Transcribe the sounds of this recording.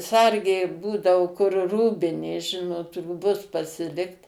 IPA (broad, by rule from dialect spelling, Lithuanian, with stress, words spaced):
ˈsɐrʲɡʲeː ˈbuːdɐʋoː kʊr ˈruːbʲɪnʲeː ˈʒʲɪnoːt ruːˈbʊs pɐsʲɪˈlʲɪkt